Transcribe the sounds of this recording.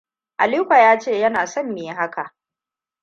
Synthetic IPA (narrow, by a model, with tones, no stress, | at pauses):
ʔa̰˨li˦kʷa˨jaː˦t͡ʃeː˦˨jɐ˦naː˨sɔ˦mːeː˨˦ɦa˦ka˨ʔ